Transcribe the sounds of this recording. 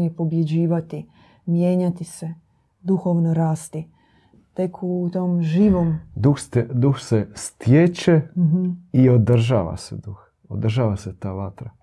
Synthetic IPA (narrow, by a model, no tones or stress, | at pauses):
ɲipo̞bje̞d͡ʑiːʋat̪i | mje̞ːɲat̪ise̞ | d̪uxo̞ʋnoɾaːst̪i | t̪e̞kʰut̪oːmʒiːʋo̞md̪uxst̪d̪uxsest̪jet͡ʃeɦ̩iod̪r̩ʒa̰ːʋa̰sḛd̪ux | od̪rʒaːʋaset̪aːʋat̪ɾa